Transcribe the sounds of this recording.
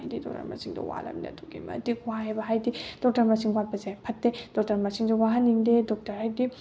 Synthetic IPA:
jdidɔ̰k̚tɐ̰ɾmɐ̰siŋdɔ̰wa̰lɐ̰mdḭɐ̰duɡḭmɐ̰dikwahebɐɦajdid̥ɔk̚tɐɾmɐsiŋwat̚pɐzepʰɐtːed̥ɔk̚tɐɾmɐsiŋdɔwaɦɐnːiŋdedɔk̚tɐɾhajdi

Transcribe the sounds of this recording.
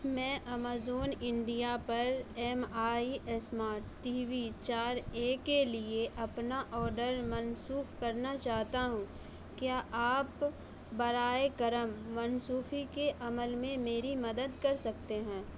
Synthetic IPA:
mɛ̃ːʔɐmaːzoːnɪ̃ɳɖijapɐɾɛːmaːiʔɛsmaːɾʈːiːʋit͡ʃaːɾeːkelieʔɐpnaʔɔːɾɖəɾmɐnsuːxkɐɾnat͡ʃaːɦt̪aɦũ | kjaːʔaːp | bɐɾaːekɐɾəmːɐnsuːxikeʔɐməlmẽmeːɾimɐd̪əd̪kɐɾsɐkt̪eɦɛ̃ː

